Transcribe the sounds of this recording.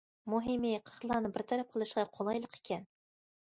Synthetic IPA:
mʊɦimiqʰə̥χlˠɑnɨbɪɾt̪ʰæɾæp̚qʰəlˠɨʃqɑqʰolˠɑjlˠəqe̥kʲæn

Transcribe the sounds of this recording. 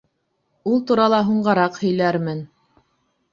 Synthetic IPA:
ulˠt̪uɾɑlˠɑɦuɴɢɑɾɑqhɵ̆jlæɾmɘn

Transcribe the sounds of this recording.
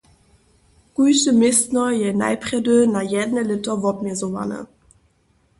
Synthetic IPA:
kujsəmɪstnɐjɛna̰ɪpʁ̥ɛdønajɛdnəlɪtɐvɔpmɛzova̰nə̰

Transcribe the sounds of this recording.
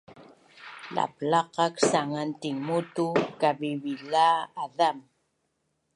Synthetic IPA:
la̰plɑqɑksaŋant̪iŋmut̪ukaviβilaːðam

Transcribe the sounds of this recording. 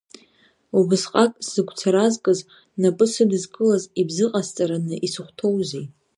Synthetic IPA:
ubɨzqʼakʼszɨɡʷt͡sʰaɾazkʼɨz | napʼɨsɨdɨzkʼɨlazibzɨqʼazt͡sʼaɾanɨʔisɨχʷtʰo̞wzej

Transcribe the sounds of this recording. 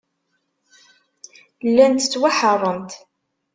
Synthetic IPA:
lːænt̪t͡sːwaħərˤːəmt̪

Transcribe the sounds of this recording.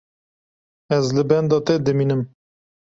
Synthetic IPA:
ɛzlɨbɛnd̪ɑːt̪ɛd̪ɨminɨm

